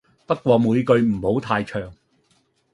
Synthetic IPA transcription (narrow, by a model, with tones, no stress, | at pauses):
pɐ˥t̚kʷɔː˧muː˨˧jkɵ˧ɥm̩˨˩ho˨˥wt̪ʰaː˧jt͡ʃʰœː˨˩ŋ